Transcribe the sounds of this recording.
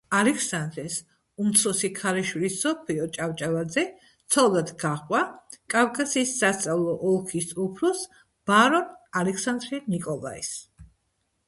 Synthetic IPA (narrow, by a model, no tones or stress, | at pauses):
alɛkʰsand̪ɾɛs | umt̪sʰɔsikʰaɾɛʃwilisːɔpʰliɔt͡ʃʼavt͡ʃʼavad̪zɛ | t̪sʰalˠd̪ad̪ɡaχʼwakʼavkʼasiːsːast̪sʼavlˠɔʔɔlˠkʰisupʰɾɔs | b̥aɾɔnalɛkʰsand̪ɾianikʼɔlˠa̰ḭs